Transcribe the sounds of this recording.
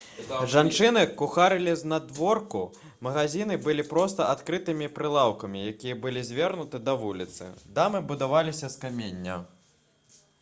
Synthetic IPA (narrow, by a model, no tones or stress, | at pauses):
ʐant͡ʂɨnɨkuxaɾɨlʲiznad̪vɔrku | mɐɣazʲinɨbɨlʲipɾɔst̪ɐat̪kɾɨt̪ɨmʲipɾɨlˠawkɐmʲijakʲijɐbɨlʲizʲvʲɛrnut̪ɨd̪ɐvulʲit̪sɨ̰d̪amɨbud̪avalʲisʲɐskamʲenʲːɐ̰